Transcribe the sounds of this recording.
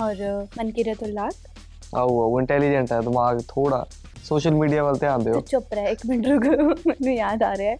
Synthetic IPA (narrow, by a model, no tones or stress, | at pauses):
ɔːɾmənkɪɾet̪õlaːʈ | a̰uaːuɪ̃ɳʈɛːliːd͡ʒɛɳʈɛːd̪ɪmaːɡt̪ʰoːɽa̰ː | soːʃəlmiːɖijaːʋəlt̪eãːnd̪eɦot͡ʃʊpɾɛːɪkmɪɳɖɾuɡmɛːnũːjaːd̪aːɾeaɛː